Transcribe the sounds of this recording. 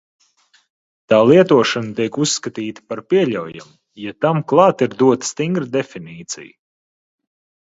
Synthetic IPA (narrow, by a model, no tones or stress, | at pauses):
t̪aːlˠiɛt̪uɔʃanət̪iɛkusːkat̪iːt̪ə̥paɾpiɛʎʲawja̰mu | jat̪amklˠɑːt̪iɾd̪uɔt̪ə̥st̪iŋɡɾəd̪efiniːt̪sḭj